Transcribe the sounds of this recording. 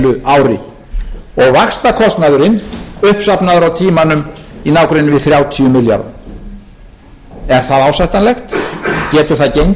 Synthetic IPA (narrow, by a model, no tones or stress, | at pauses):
lʏaːwɾɪ | ɔɣvakst̪akʰɔst̪naðʏɾɪnʏhpsapnaðʏɾawt̪ʰiːmanʏm | inaːwkɾɪnːʏvɪðθɾjaːwt̪ʰiʏmɪlja̰ɾð | ɛɾ̥θaðaːwsajht̪anlɛxt̪cɛːt̪ʏθaðcejɲ